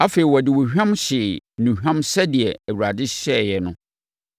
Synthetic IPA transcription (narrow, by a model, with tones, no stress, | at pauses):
a˦fe˨i˨wɔ˨dɪ˨wɔ˨hᶣã˦mɕɪ˨nũ˨hᶣã˦msɛ˦dɪ˨ɛ˨æ˨wu˨ɾa˨dɪ˦ɕɛ˦˨jɛ˨nʊ̃˦